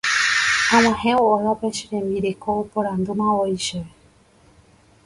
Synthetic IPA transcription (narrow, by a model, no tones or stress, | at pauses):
ãm̃ãhẽoojʋapeʃeɾẽmbiɾekʰoopoɾãnd̪umãojʃee